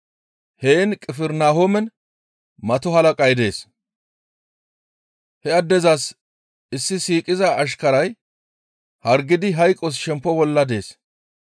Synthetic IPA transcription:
heːnkʼɪfɛɾnaːɦɔmɛn | mɐt̪ɔɦɐlɐkʼɐjd̪e̞ːs | hɛɐd̪ːɛzɐs | ɪsːɪsiːkʼɪzɐʔːʃ̬kɐɾɐj | hɐɾɡɪd̪ɪɦɐjkʼɔs̬ʃɛmpːɔbɔlːɐd̪e̞̰ːs

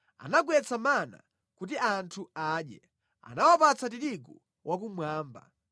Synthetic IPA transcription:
a̰naɡwɛt͡sʰamana̰ | kut̬iʔantʰuaːɗjɛ | a̰nawapat͡sat̬iɾiku | wʔak̬umwaːmba̰

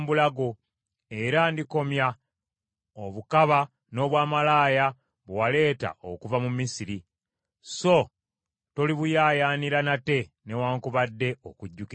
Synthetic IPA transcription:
mbulaɡo̞ | e̞ɾandiko̞mja | oβukaβa | no̞ːβwaːmalaːja | βwale̞ːta̰ʔo̰kuvamumːisiɾi | so̞ | toliβujaːjaːniɾanate̞ | ne̞waːŋkuβadːe̞o̰kuɟːuki

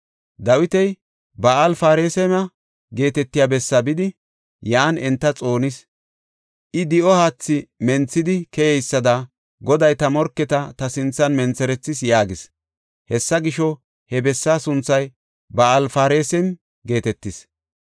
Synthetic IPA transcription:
d̪ɐwɪt̪ɛj | bɐɐlfaːɾeːsɛmɐ | ɡe̞ːt̪ɛt̪ːɪjabɛsːɐbɪd̪ɪ | jaːnɛnt̪ːɐt͡sʼo̞ːnɪs | ʔɪd̪ɪʔɔhaːt͡sːɪmɛnt͡sːɪd̪ɪkɛjɛjsːɐd̪ɐ | ɡɔd̪ɐjt̪ɐmɔɾkːɛt̪ɐt̪ɐsɪnt͡sːɐnmɛnt͡sːɛɾɛt͡sːɪsjaːɡɪs | hɛsːɐɡɪʃɔ | hɛbɛsːaːsʊnt͡sːɐj | bɐɐlfaːɾeːsɛm | ɡe̞ːt̪ɛt̪ːɪs

